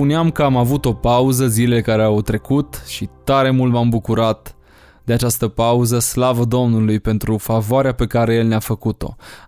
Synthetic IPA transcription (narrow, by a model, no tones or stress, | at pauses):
puneamkəamavut̪o̞pauzəzile̞le̞kaɾeawt̪ɾe̞kut̪ʃit̪aɾe̞mult̪mambukuɾat̪ | d̪eat͡ʃast̪əpauzəslavəd̪o̞mnulujpe̞nt̪ɾufavoaɾeape̞kaɾe̞je̞lneafəkut̪o̞̰